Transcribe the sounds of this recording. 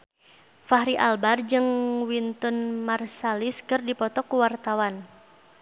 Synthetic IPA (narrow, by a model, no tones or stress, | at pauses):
faɦɾiʔalbard͡ʒɨŋwint̪ɔnmarsaliskərdipɔt̪ɔkuwart̪awan